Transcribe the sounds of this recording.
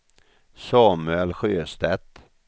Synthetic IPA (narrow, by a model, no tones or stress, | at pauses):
sɑːmʉɛlɧøːst̪ɛt̪